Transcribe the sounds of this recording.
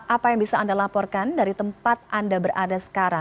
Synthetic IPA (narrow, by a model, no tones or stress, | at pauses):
ʔapajaŋbisaːndalapɔrkandaɾit̪əmpat̪̚ʔandabəɾadasə̥kaɾa